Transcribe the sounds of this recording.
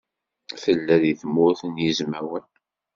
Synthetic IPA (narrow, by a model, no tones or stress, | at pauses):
θəlːæðiθmʊθənjizmæwən